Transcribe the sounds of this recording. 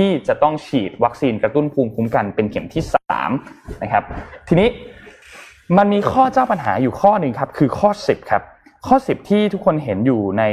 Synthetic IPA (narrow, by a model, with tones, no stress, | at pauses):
t̪iː˥˩t͡ɕa˨˩t̪ɔ˥˩ŋt͡ɕʰiː˨˩t̪̚wa˦˥k̚siː˧nkɾa˧t̪u˥˩npʰuː˧mpʰu˦˥mka˧npe˧nkʰe˩˦mt̪ʰiː˥˩sa̰ː˩˦mna˦˥kʰa˦˥p̚t̪ʰiː˧niː˦˥ | ma˧nmiː˧kʰɔː˥˩t͡ɕaː˥˩wpa˧nɦa̰ː˩˦juː˨˩kʰɔː˥˩nɯ˧ŋkʰa˦˥p̚kʰɯː˧kʰɔː˥˩si˨˩p̚kʰa˦˥p̚ | kʰɔː˥˩si˨˩p̚t̪ʰiː˥˩t̪ʰu˦˥kʰːo˧nɦe˩˦njuː˨˩na˧j